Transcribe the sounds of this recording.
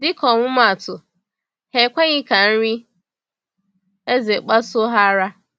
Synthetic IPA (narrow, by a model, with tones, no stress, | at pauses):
dɪ˦kɔ˨ŋʷʊ˦ma˨tʊ˨ | he˨kʷe˦ɲɪ˦ka˨n̩˦ɾi˦ | e˦ze˨k͡pa˦sʊ˦ɦa˦ɾa˦